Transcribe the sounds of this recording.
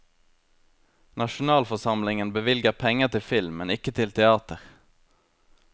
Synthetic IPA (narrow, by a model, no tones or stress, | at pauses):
nɑʃʊnɑːlfɔsɑmlɪŋənbəʋɪlɡəʁpʰɛŋət̪ʰɪlfɪlmːɛnɪkət̪ʰɪlt̪ʰɛɑːt̪əʁ